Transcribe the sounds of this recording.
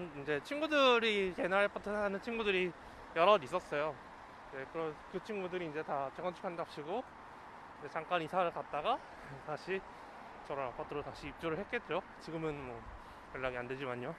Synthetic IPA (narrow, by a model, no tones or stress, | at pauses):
nind͡ʑe̞t͡ɕʰinɡudɯɾike̞naɭpʰatʰɯanɯnt͡ɕʰinɡudɯɾi | jʌɾʌdis͈ʌs͈ʌjo | ekɯɾʌnkɯt͡ɕʰinɡudɯɾiːnd͡ʑe̞tat͡ɕeɡʌnt͡ɕʰu̥kʰandak̚ɕ͈ʰiɡo | id͡ʑet͡ɕaŋk͈anisʰaɾɯɭkat̚t͈aɡa | taɕʰi | t͡ɕʌɾʌnap͈ʰat͈ʰɯɾotaɕʰiːp̚t͡ɕ͈oɾɯɭhɦet̚k͈edeɾjo | t͡ɕiɡɯmɯnmwʌ | jʌɭːaɡianded͡ʑimaɲo